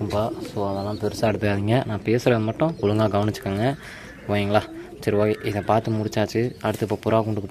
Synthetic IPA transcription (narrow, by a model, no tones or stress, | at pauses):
ɯmpaːsoːɐðɛlãːpɛɾɯsaːɽɯt̪ːɐjaːðiŋɡɐnãːpeːsɯɾɐɐmɐʈːʊ̃ʊlɯŋɡaːɡɐʋɐnɪt͡ʃːɯ̥kːaːŋɡɐ | ʋoːjɐŋɡɐɭaːt͡ʃɪɾɯʋaːɣʔɪðɐ̃paːɾt̪ɯmʊɽɪt͡ʃːaːt͡ʃːɯɐɽɯt̪ːɯpːoːpʊɾaːkʊɳɖɯkːɯpː